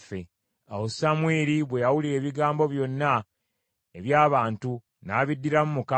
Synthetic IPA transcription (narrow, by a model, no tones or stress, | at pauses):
fe | awosamweːɾiβwe̞jawulie̞ːβiɡaːmbo̞βjo̞nːa | eβjaːβaːntu | naːβidːiɾamumuka